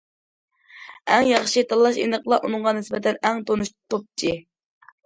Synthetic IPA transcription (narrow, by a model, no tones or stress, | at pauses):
ɛŋjɑχʃit̪ʰɑlˠːɑʃḭnəqlˠɑʔunɨŋʁɑnɪsbɛt̪ʰɛnɛŋt̪ʰonuʃt̪op̚t͡ʃʰi